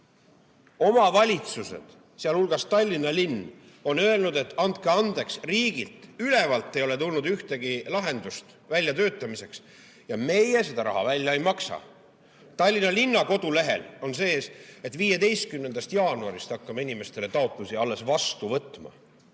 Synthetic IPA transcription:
o̞mɑvɑlʲit̪suse̞̰d̪̥ | seɑlhulɡ̥ɑst̪ɑlʲːinɑlinː | o̞nø̞e̞lnud̪e̞t̪ːɑnt̪̚keɑnd̪e̞ksriːɡ̥ilt̪ˑyle̞vɑlt̪ːˑe̞jo̞le̞t̪ulnud̪yht̪e̞ɡilɑɦe̞nd̪ust̪ | vælʲjɑt̪ø̞ːt̪ːˑɑmise̞ks | jɑme̞jese̞d̪ɑɾɑ̰ɦɑ̰vælʲːjɑejmɑksɑ̰ | t̪ɑlʲːinɑlinːɑko̞d̪̥ule̞ɦe̞̰lo̞nse̞ːse̞t̪ːˑviːje̞d̪e̞jst̪̚kymnend̪ɑst̪jɑːnuɑ̰ɾist̪ɑkːɑmenʲime̞st̪e̞le̞t̪ɑot̪ˑlusiɑlːe̞svɑst̪uvɤt̪ːˑmɑ̰

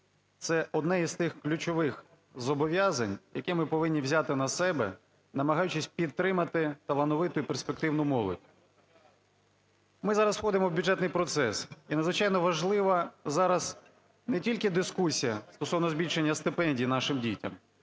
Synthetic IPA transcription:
t̪sɛʔɔd̪nɛizst̪ɪxklʲʊt͡ʃɔʋɪx | zɔbɔʋʲjazɐnʲjɐkɛmɪpɔʋɪnʲːiwzʲat̪ɪnɐsɛbɛ̰ | nɐmɐɦɑjʊt͡ʃɪsʲpʲid̪t̪ːɾɪmɐt̪ɪt̪ɐlˠɐnɔʋɪt̪ʊjiperspek̚t̪ɪwnʊmɔlˠɔ̰dʲ | mɪzɑɾɐswxɔd̪ɪmɔwbʲjʊdd͡ʒɛt̪nɪjpɾɔt̪sɛsinɐd̪zʋɪt͡ʃɑjnɔʋɐʒlˠɪʋɐzɑɾɐz | nɛtʲilʲkɪd̪ɪskusʲijɐst̪ɔsɔwnɔzbʲilʲʃenʲːɐst̪ɪpɛnʲdʲijːnɑʃɪmdʲitʲɐ̰m

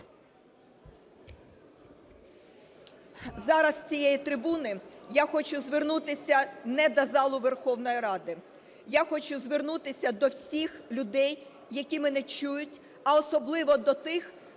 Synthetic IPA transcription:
zɑɾɐst͡sʲijɛjit̪ɾɪbunɪjaxɔt͡ʃʊzʋɪrnut̪ɪsʲɐnɛd̪ɐzɑlˠʊʋerxɔwnɔjiɾɑd̪ɪ | jaxɔt͡ʃʊzʋɪrnut̪ɪsʲɐd̪ɔwsʲixlʲʊd̪ɛjː | ɐkʲimɛnɛt͡ʃujʊtʲ | ɐɔsɔblˠɪʋɔd̪ɔt̪ɪx

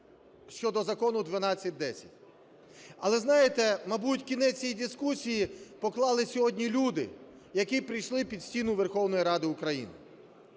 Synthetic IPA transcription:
ʃt͡ʃɔd̪ɔzɐkɔnʊd̪ʋɐnɑt͡sʲːɐt̚ʲd̪ɛsʲɐtʲ | ɐlˠɛznɑjet̪ɛmɐbutʲkʲinɛt͡sʲijid̪ʲɪskusʲijipɔklˠɑlˠɪsʲɔɦɔdʲnʲilʲud̪ɪ̰ | jɐkipɾijʃlˠɪpʲid̪sʲtʲinʊʋerxɔwnɔjiɾɑd̪ɪʊkɾɐjḭnɪ

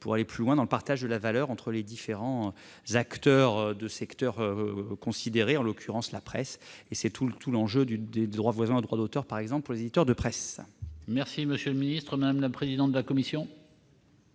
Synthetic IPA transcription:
puʁaleplylwɛ̃d̪ɑ̃ləpaʁt̪aʒd̪əlavalœʁɑ̃t̪χəled̪ifeʁɑ̃ | zakt̪œʁd̪əsɛkt̪œʁøkɔ̃sid̪eʁeɑ̃lɔkʰʲyʁɑ̃slapχɛsesɛt̪ʰut̪ʰulɑ̃ʒød̪yd̪ed̪ʁwavwazɛ̃od̪ʁwad̪ot̪œʁpaʁɛɡzɑ̃pləpuʁlezed̪it̪œʁd̪əpχɛsmɛʁsiməsjøləminist̪χəmad̪amlapχezid̪ɑ̃t̪d̪əlakɔmisjɔ̃

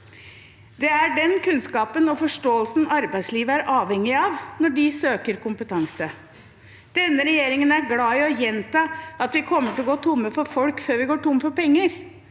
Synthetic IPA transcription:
d̪ɛæɖɛnkʰʉnskɑːpənɔfɔʂʈoːəlsn̩ɑɾbæɪsliːʋəæɾʔɑːʋhɛŋːɪɑʋnɔɖɪsøːkəɾkʊmpət̪ʰɑŋsə | d̪̥ɛnːəɾɛjeːɾɪŋənæɾɡlɑːɪɔjɛnt̪ɑɑt̪ʋɪkʰɔmːəʈɪlɔɡoːt̪ʰʊmːəfɔɾfɔlkføːɾʋɪɡoːʈʊmːfɔpɛŋːəɾ

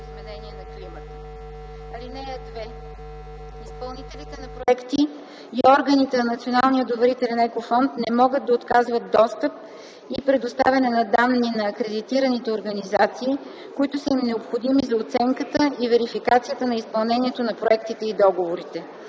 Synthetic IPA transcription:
izmɛnɛniɛnɐklimət̪ə | ɐlinɛjəd̪vɛ | ispɐlˠniɛlit̪ɛnɐpɾoɛkt̪i | iɔɾɡənit̪ɛnɐnɐt̪sionalˠnijəd̪ovɛɾit̪ɛlɛnɛkofɔnt̪nɛmɔɡət̪d̪ɐot̪kazvət̪̚d̪ɔst̪əp̚ | ipɾɛd̪ost̪a̰vʲɐnɛnɐd̪anːinɐːkɾɛd̪it̪iɾənit̪ɛoɾɡɐnizat̪siː | koit̪ʊsəimnɛopxod̪imizɐot̪sɛŋkət̪əivɛɾifikat̪sijət̪ənɐispɐlˠnɛniɛt̪onɐpɾoɛkt̪it̪ɛid̪ɔɡovoɾit̪ɛ

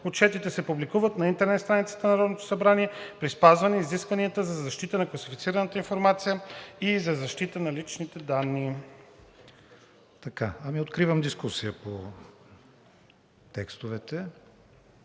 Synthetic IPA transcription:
ott͡ʃɛt̪it̪ɛsɛpublikuvət̪nɐint̪ɛɾnɛt̪st̪ɾanit̪sə̥t̪ənɐɾɔd̪not̪o̥sɐbɾaniɛpɾispazvɐnɛiziskvɐniət̪əzɐzɐʃt̪it̪ənɐklˠɐsifit̪siɾənət̪əinfoɾmat̪sijəizɐzɐʃt̪it̪ənɐlit͡ʃnit̪ɛd̪anːi | t̪ɐkaɐmiot̪kɾivəmd̪iskusijəpo | t̪ɛkst̪ovɛt̪ɛ

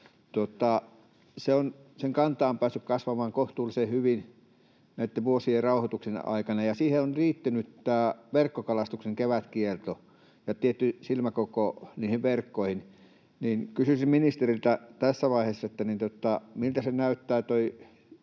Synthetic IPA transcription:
t̪ot̪ˑɑ | seonseŋkɑnt̪ɑːmpæːsːykkɑsʋɑmɑːŋkoht̪uːlsehyʋin | næit̪ːeʋʋuosierɑuhot̪uksenɑ̰ikɑnɑjɑsiːheonriːt̪ːænyt̪t̪æːʋerkːokɑlɑst̪ukseŋkeʋæt̪kielt̪o | jɑt̪iet̪ːysilmækokoniːhiʋʋerkːoˑihin | niːnkysysimminist̪erilt̪æt̪æsːæʋɑihesːɑet̪ːænint̪ot̪ːˑɑmilt̪æsenæyt̪ːæːt̪oi

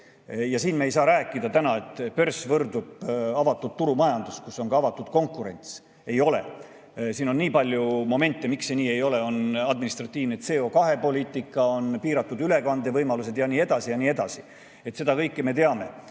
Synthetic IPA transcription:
jɑsiːnme̞js̬ɑːɾæːkːˑid̪̥ɑt̪ænɑet̪ːˑpø̞rsvɤrd̪ub̥ɑvɑt̪ːˑud̪̥̚t̪ːuɾumɑjɑnd̪̥uskusːo̞ŋkɑɑvɑt̪ːˑud̪̥ko̞ŋkuɾe̞̰nʲt̪s | e̞jo̞le̞̰ | siːno̞nːiːpɑlʲjumo̞me̞nʲt̪ˑːemikseniːe̞jo̞le̞o̞nɑd̪minist̪rɑt̪ːˑiːvnet̪se̞ːo̞kɑɦe̞po̞lʲiːt̪ːˑikːˑɑo̞npiːɾɑt̪ːˑud̪yle̞kɑnd̪e̞vɤjmɑlus̬e̞d̪̥jɑniːe̞d̪̥ɑsijɑniːe̞d̪ɑsi | e̞t̪se̞d̪̥ɑkɤjkːeme̞t̪e̞ɑme̞

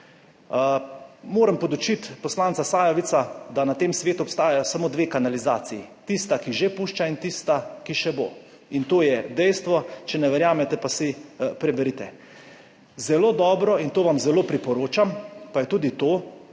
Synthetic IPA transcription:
moːɾəmpɔd̪ut͡ʃit̪pɔslaːnt̪sasaːjaʋit̪sad̪anat̪eːmsʋeːt̪uɔpst̪aːjajɔsamoːd̪ʋeːkanalizaːt̪sijit̪ist̪akiʒepuːʃt͡ʃaint̪ist̪akiʃɛbo̰ː | int̪oːjɛd̪ɛjst̪ʋɔt͡ʃɛnɛʋɛɾjaːmɛt̪ɛpasipɾɛbɛɾit̪ɛ | zɛloːd̪ɔːbɾɔint̪oːʋamzɛloːpɾipɔɾoːt͡ʃampajɛt̪uːd̪it̪oː

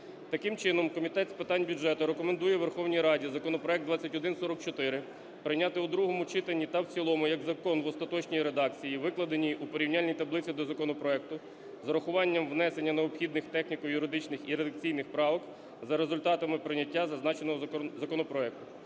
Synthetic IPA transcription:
t̪ɐkɪmt͡ʃɪnɔmkɔmʲit̪ɛt̪spɪt̪ɑnʲbʲʊdʒɛt̪ʊɾekɔmend̪ujɛʋerxɔwnʲijɾɑdʲizɐkɔnɔpɾɔɛk̚d̪ʋɑt͡sʲːɐtʲɔd̪ɪnsɔɾɔk̚t͡ʃɔt̪ɪɾɪ | pɾɪnʲɑt̪ɪud̪ɾuɦɔmʊt͡ʃɪt̪ɐnʲːit̪ɐwt͡sʲilˠɔmʊjɐɡzɐkɔnʋɔst̪ɐt̪ɔt͡ʃnʲijiɾe̞d̪ɑkt͡sʲijiʋɪklˠɐd̪enʲijupɔɾʲiwnʲalʲnʲijt̪ɐblˠɪt͡sʲid̪ɔzɐkɔnɔpɾɔɛk̚t̪ʊ | zɐɾɐxʊʋɑnʲːɐmʋnɛsenʲːɐneɔpxʲid̪nɪxt̪ɛxnʲikɔjʊɾɪd̪ɪt͡ʃnɪxiɾed̪ɐk̚t͡sʲijnɪxpɾɑʋɔk | zɐɾezʊlʲt̪ɑt̪ɐmɪpɾɪnʲːɐtʲːazɐznɑt͡ʃenɔɦzɐkɔnɔpɾɔɛk̚t̪ʊ

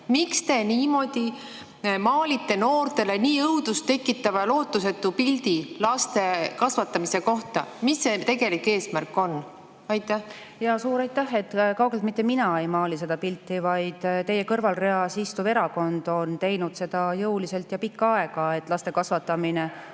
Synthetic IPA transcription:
mikst̪e̞niːmo̞d̪̥i | mɑːlit̪ːe̞noːrt̪e̞leniːɤwd̪ust̪e̞kːˑit̪ːˑɑvɑloːt̪ːˑuse̞t̪ːupilʲd̪ilɑst̪e̞kɑsvɑt̪ːˑɑmise̞ko̞ht̪ɑmisːet̪e̞ɡe̞likːe̞ːsmærkːˑo̞n | ɑjt̪ːˑæh | jɑsuːɾɑjt̪ˑːæhe̞t̪ːkɑwɡ̥e̞lt̪mit̪ːeminɑejmɑːlis̬e̞d̪ɑpilt̪ːivɑjd̪̥t̪ːe̞je̞kɤrvɑlre̞ɑsist̪uve̞ɾɑko̞nd̪̥o̞nt̪e̞jnud̪̥se̞d̪̥ɑjɤwlise̞lt̪jɑpikːɑɑe̞ɡ̥ɑe̞t̪ːˑlɑst̪e̞kɑsvɑt̪ːˑɑmine

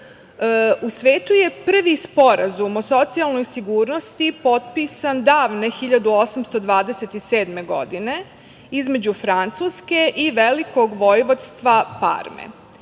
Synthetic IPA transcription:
usʋe̞ːt̪uje̞pr̩ʋispo̞ɾazumoso̞t̪sialˠno̞jsiɡuːɾno̞st̪ipo̞t̪̚pisand̪aːʋne̞xiʎad̪uo̞samst̪o̞d̪ʋaːd̪eset̪iseːd̪me̞ɡo̞̰d̪ine̞ | izme̞d͡ʑufɾant̪suːske̞ʔiʋelikoɡʋojʋot̪st̪ʋapa̰ɾmḛ

